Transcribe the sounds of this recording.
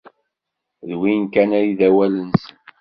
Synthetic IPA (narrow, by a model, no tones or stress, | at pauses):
ðwinkænæjiðæwælənsən